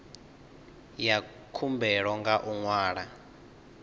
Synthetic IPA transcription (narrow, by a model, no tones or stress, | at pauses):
ja | kʰumbɛɺɔŋɡaʔuŋwaːɺa